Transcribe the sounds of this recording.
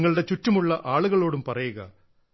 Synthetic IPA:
ŋːɐɭɽe̞t͡ɕutːɐmuɭːɐʔaːɭuɣɐɭo̞ːɽumpɐrɐjuɣɐ̰

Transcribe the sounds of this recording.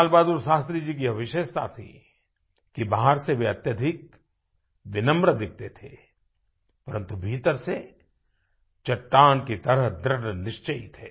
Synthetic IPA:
lbaːd̪uɾʃaːst̪ɾid͡ʒiːk̬iɐʋɪʃeːʃt̪a̰t̪ʰḭ | kibaɦaɾseʋeɐt̪jəd̪ʱɪk̚ | ʋɪnə̃mbɾəd̪ɪk̚ʰt̪et̪ʰe | pɐɾə̃nt̪ubʱiːt̪əɾse | t͡ʃɐʈːaːnkit̪ɐɾəɦd̪ɾəʈnɪʃt͡ʃəit̪ʰeː

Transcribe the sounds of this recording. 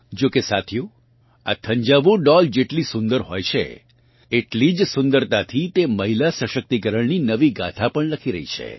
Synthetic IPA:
d͡ʒokesat̪ʰjũ | a̰t̪ʰə̃ɲd͡ʒaʋõɖɔld͡ʒeʈlisũnd̪əɾɦojt͡ʃʰḛ | eʈlid͡ʒsʊ̃nd̪əɾt̪at̪ʰit̪eməɦilasəʃək̚t̪ikəɾəɳninəʋiɡat̪ʰapəɳləkʰiɾə̰ɦḭt͡ʃʰḛ

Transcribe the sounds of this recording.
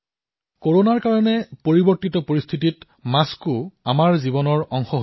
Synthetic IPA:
koɹonaɹkaɹɔnɛpoɹibɔɹtitɔpoɹist̪ʰitit | maskʊamaɹzibɔnɔɹɔŋxɔɦo

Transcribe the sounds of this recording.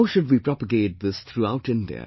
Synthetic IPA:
ʊʃʊdʋiːpɹɔpəɡeɪt̚ðɪst̪ʰɾuaʊʈɪ̃ndḭə̰

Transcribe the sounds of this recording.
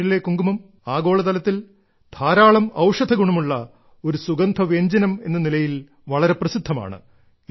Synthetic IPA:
ile̞kːuŋɡumɐm | aːɡo̞ːɭɐt̪̬ɐlɐt̪ːil | d̪ʰʱaːɾaːɭɐmɐwʂɐd̪ʱɐɣuɳɐmuɭːɐ | o̞ɾusuɡɐnd̪ʱɐʋe̞ːɲd͡ʑɐnɐme̞̰nːɐnilɐjil | ʋɐɭɐɾe̞prɐsid̪ʱːɐma̰ːɳɨ̰

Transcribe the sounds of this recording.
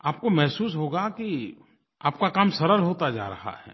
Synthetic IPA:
aːp̚komɛɦsuːsɦoːɡaki | a̰ːp̚kakaːmsɐɾəlɦoːt̪ad͡ʒa̰ːɾɐ̰ha̰ɦɛ̰ː

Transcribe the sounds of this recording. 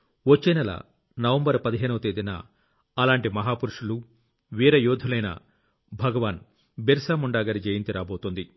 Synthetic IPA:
ʋot͡ʃːenɐlɐ̰ | nɐʋɐmbɐɾpɐd̪iɦeːnɐʋɐt̪eːd̪inɐ̰ | ɐlaːɳʈimɐɦaːpuɾuʂulu | ʋiːɾɐjuːd̪ʱulɐjnɐ̰ | bʱɐɡɐʋaːn | beɾsaːmuɳɖaːɡɐɾid͡ʒeːjint̪iɾaːboːt̪ond̪i

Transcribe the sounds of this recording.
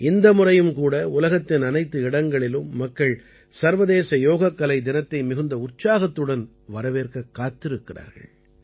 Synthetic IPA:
ɪnd̪ɐmʊrɐjɯmkuːɽɐʊlɐɣɐt̪ːɪnɐnɐɪt̪ːɯɪɽɐŋɡɐɭɪlɯmːɐkːɐɭ | sɐɾʋɐðeːsɐjoːɣɐkːɐlɐɪd̪ɪnɐt̪ːɐɪmɪɣɯnd̪ɐʊrt͡ʃaːɣɐt̪ːɯɽɐn | ʋɐɾɐʋeːrkɐkːaːt̪ːɪɾɯkːɪra̰ːɾɣɐ̰ɭ

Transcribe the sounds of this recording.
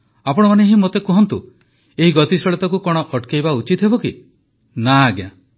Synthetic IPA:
apɔɽ̃ɔmaneɦimot̪ekɔɦɔnt̪ṵ | eɦiɡɔt̪isɔɭet̪ɔkukɔɽ̃ɔʔɔʈkejbaut͡ʃit̪ʰɦebɔki | naɡja

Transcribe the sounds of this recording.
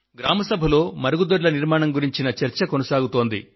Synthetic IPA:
ɡɾaːmɐsɐbʱɐlo̞ːmɐɾɐɡud̪oɾlɐniɾmaːɳɐmɡuɾiɲt͡ʃinɐt͡ʃɐɾt͡ʃɐkonɐsaːɡut̪o̞ːnd̪ḭ

